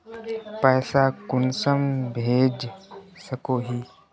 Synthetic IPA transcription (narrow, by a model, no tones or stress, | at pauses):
pɛːsakʊnsəmbʱeːd͡ʒsəkoːɦiː